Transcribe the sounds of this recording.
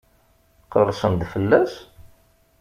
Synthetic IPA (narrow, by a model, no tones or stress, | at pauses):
qərˤːsənd̪fəlːæs